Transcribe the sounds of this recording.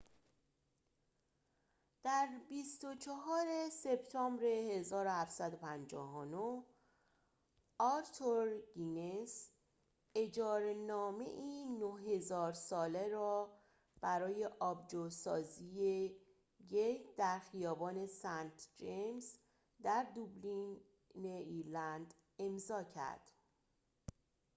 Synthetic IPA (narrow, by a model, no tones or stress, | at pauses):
d̪̥æɾbist̪o̞t͡ʃʰeɦɒːɾe̞se̞bt̪ʰɒːmbɾe̞he̞zɒːɾohæfsæd̪o̞pʰænd͡ʒɒ̰ːɦonoh | ɒːɾt̪ʰoɾɡines | e̞d͡ʒɒːɾenɒːme̞̰ʔiːnoɦe̞zɒːɾsɒːle̞ɾɒː | b̥æɾɒːje̞ʔɒːbd͡ʒosɒːzije | jejd̪̥æɾxijɒːbɒːne̞sænt̪ʰd͡ʒems | d̪æɾd̪ublin | neiɾlænd̪ | e̞mzɒːcʰæ̰ɾd̪̥